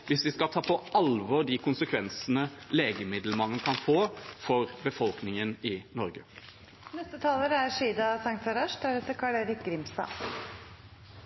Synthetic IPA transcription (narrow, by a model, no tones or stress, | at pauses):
ʋɪsʋɪskɑlt̪ʰɑːpʰɔɑlʋɔd̪ɪkʰʊnsəkʰʋɛnsənəleːɡəmɪd̪lmɑnːəkʰɑnfoːfɔɾbəfɔlknɪŋənɪnɔɾɡə | nɛst̪ət̪ʰɑːləɾəæɾʂiːd̪ɑsɑŋt̪sɑɾɑʂd̪æɾɛt̪əkʰɑːɭeːɾɪk̚ɡɾɪmst̪ɑ̰ː